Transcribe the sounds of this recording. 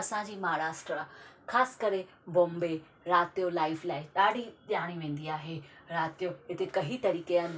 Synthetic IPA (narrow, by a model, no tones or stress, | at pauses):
ɐsãd͡ʑiːmaːɽaːsʈəɾakʰaːsɪ̥kɐɾe | bõːmbe | ɾaːt̪ijolaːɪflaːɪɗaːɽiɗaːɽ̃iʋẽːn̆d̪iaːɦeɾaːt̪ijoɦɪt̪ekɐɦit̪ɐɾiːkean